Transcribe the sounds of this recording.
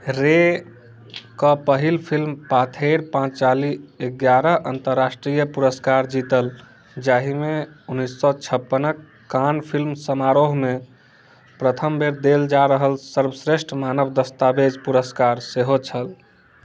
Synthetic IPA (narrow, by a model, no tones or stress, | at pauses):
ɾe | kəpəɦilpʰilmpat̪ʰeɾpãt͡ʃt͡ʃalieɡjaɾəʔənt̪əɾːasʈɾijəpuɾəskaɾd͡ʒit̪əl | d͡ʒaɦimeunːisːɔt͡ʃʰəpːənəkː | anpʰilmsəmaɾoɦme | pɾət̪ʰəmbeɾd̪eld͡ʒaɾəɦəlsəɾbəsɾesʈʰmanəbd̪əst̪abed͡ʒpuɾəskaɾseɦot͡ʃʰəl